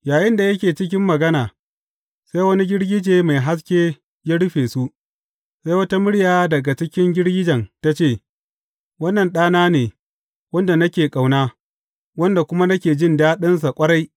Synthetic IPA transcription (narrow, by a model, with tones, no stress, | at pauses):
jaː˨jɪ˦nda˨jɐ˦kʲeː˨t͡ʃɪ˦k̬ʲɪ˦mːɐ˨ɡɐ˦naː˨ | sa˦jwɐ˦ni˦ɡʲɪ˦ɽɡʲɪ˦d͡ʒeː˨ma˨jɦa˦s̬kʲeː˦ | ja˦ɽʊ˦ɸeː˨su˦ʔ | sa˦jwɐ˦ta˦mʊ˦ɽjaː˨dɐ˨ɡa˨t͡ʃɪ˦kʲɪ˦ŋɡʲɪ˦ɽɡʲɪ˦d͡ʒɐ˨nta˦t͡ʃeː˦˨ | wɐ˦nːɐ˨nɗaː˦naː˦neː˨ | wɐ˦nda˨nɐ˦kʲeː˨kʼa˨wnaː˦ | wɐ˦nda˨kʷʊ˦ma˦nɐ˦kʲeː˨d͡ʒɪ˦ndaː˦ɗɐ˦ns̬a˨kʷʼɐ˦ɽa˦j